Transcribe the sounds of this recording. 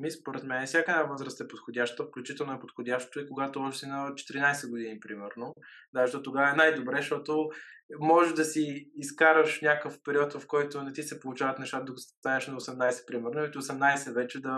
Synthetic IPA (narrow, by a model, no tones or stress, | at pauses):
mispoɾɛt̪mɛnɛfsʲjakəɛnavɤzɾəst̪ɛpot̪xodʲaʃt̪t̪əfklʲut͡ʃit̪ɛlˠnoɛpot̪xod̪ʲaʃt̪o̥t̪oikoɡat̪oɔʒsinɐt͡ʃɛ̥t̪iɾinajsɛɡʊd̪inipɾimɛɾno | d̪azəʃt̪ɔt̪oɡavəɛnajd̪obɾɛʃt̪ɔt̪omɔʒɛʒd̪ɐsiːskaɾəʃnʲakəfpɛɾiɔt̪vɐfkɔjt̪ʊnɛt̪isɛpolˠut͡ʃavɐt̪nɛʃt̪at̪əd̪ɐɡst̪anɛʃnɐosɛmnajsɛ̥pɾimɛɾnoɛt̪oosɛmnajsɛvɛt͡ʃɛd̪ɐ